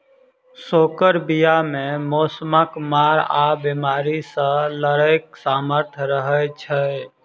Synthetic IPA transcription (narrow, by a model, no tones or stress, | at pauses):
sokəɾbijamemosməkmaɾabimaɾisə̃ləɾək̚saməɾt̪ʰɾəɦət͡ʃʰə